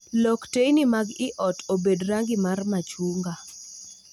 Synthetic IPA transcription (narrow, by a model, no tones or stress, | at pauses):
lɔktejnimaɡɪʔɔtobedɾaŋɡɪmarmat͡ʃuŋɡa